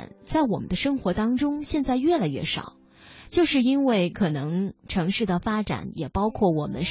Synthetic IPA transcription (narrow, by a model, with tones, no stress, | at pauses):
nt͡sa˥˩ɪwɔ˨˩mə˦nd̪ə˧ʂɤ˥ŋxwɔ˧˥t̪ɑ˥ŋʈ͡ʂʊ˥ŋɕjɛ˥˧nt͡sa˥˧ɪɥɛ˥˩la˨˩ɪɥɛ̰˥˩ʂɑ̰˨˩˦ | t͡ɕjo˥˧ʊʂɻ̩˥˧i˥nwe˥˩ɪkʰɤ˨˩nɤ˧˥ŋʈ͡ʂʰɤ˧˥ŋʂɻ̩˥˩d̪ə˨˩fa˥ʈ͡ʂa̰˨˩˦njɛ˨˩pɑ˥ʊkʰwɔ˥˩wɔ˨˩mə̰˦n